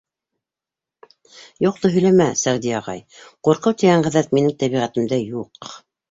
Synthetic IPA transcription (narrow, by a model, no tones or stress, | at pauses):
juq̚t̪oɦɵ̆læmæsæʁd̪iɑʁɑ̰jquɾqɤwt̪iɡæɴʁæðæt̪minɘŋt̪æβiʁæt̪ɘ̆md̪ɘjuq